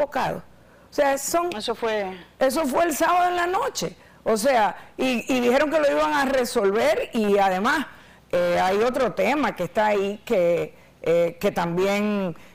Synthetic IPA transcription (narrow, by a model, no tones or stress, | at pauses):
oka̰ðo̰ | se̞aso̞ŋesofwee̞s̬o̞fwe̞ːlsaβaðoeŋlano̞t͡ʃe̞ | ose̞aiiðihe̞ɾo̞ŋke̞lo̞iβaŋare̞so̞lβe̞ɾiaðe̞mas | eajo̞t̪ɾo̞t̪e̞makest̪aːike | eke̞t̪ambje̞ŋ